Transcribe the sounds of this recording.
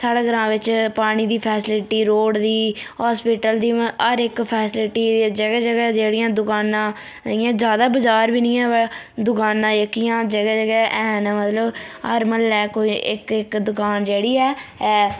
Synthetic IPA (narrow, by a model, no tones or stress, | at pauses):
saːɽeɡəɾãːʋɪt͡ʃpaːɽ̃iːd̪iːpʰɛːsɪlɪʈiːɾoːɽd̪iːɦaːspɪːʈəld̪iːəɾɪkpʰɛːsɪlɪʈiːd͡ʒəɡɛːd͡ʒəɡɛːd͡ʒeːɽɪjãːd̪ʊkaːnãː | ɪjãːd͡ʒjaːd̪aːbəd͡ʒaːɾbiːnĩːɛ̃ː | d̪ʊkaːnãːjəkːijãːd͡ʒəɡɛːd͡ʒəɡɛːʔɛːnmət̪ləbɦəɾməlɛːkoːiʔɪ̰kɪkd̪ʊkaːnd͡ʒeːɽiːɛːɛː